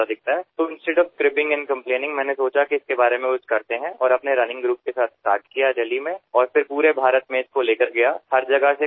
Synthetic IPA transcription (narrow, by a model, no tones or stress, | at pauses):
ad̪ɪk̚ʰt̪aɦɛːt̪oɪ̃nsʈeɖɔbskɾɪpɪ̃ŋɡɛ̃nkɐ̃mpleːnɪ̃ŋɡmɛ̃ːnesoːt͡ʃakiɪskebaːɾemẽʊt͡ʃkɐɾt̪eɦɛ̃ʔɔːɾɐpneɾɐnɪ̃ŋɡɾuːp̚kesaːt̪̚ʰsʈa̰ːɾʈkijaɾɛːlimẽɔːɾfɪɾpuːɾebʱaːɾət̪mẽɪskoleːkəɾɡɐjahɐɾd͡ʒɐɡəse